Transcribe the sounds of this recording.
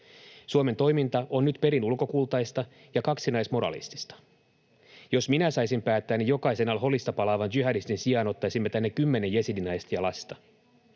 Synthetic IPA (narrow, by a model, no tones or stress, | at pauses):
suome̞nt̪o̞jmint̪ɑʔo̞nːyt̪pe̞ɾinulko̞kulˠt̪ɑjst̪ɑ | jɑkɑksinɑjsmo̞ɾɑ̰lḭst̪i̥st̪ɑ̥ | jo̞sminæsɑjsimpæːt̪ːæːnːijokɑjse̞nɑlɦo̞list̪ɑpɑlɑːʋɑntyɦædist̪insiɑnot̪ːɑjsimːet̪ænːekːymːe̞ne̞jjesidinɑjst̪jɑlɑst̪ɑ